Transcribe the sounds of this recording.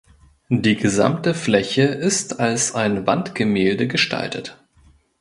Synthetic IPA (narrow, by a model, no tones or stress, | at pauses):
d̥iːɡəza̰mtəflɛçəʔɪstalsaɪnvantɡ̥əmeːldəɡəʃtʰa̰ltʰə̰t